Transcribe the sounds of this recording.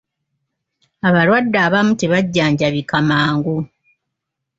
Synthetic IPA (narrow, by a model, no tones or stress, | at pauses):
aβalwadːaːβamuteβaɟːaːɲɟaβikamaːŋɡu